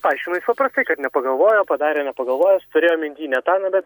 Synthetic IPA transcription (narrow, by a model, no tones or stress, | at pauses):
pɑɪʃʲkʲimɐɪspɐpɾɐst̪ɐɪkɐt̪nʲɛpɐɡɐlˠʋoːjoːpɐd̪ɑːɾʲeːnʲɛpɐɡɐlˠʋoːjoːst̪ʊɾʲeːjoːmʲɪnʲd̪ʲiːnʲɛt̪ɑːnɐbʲɛt̪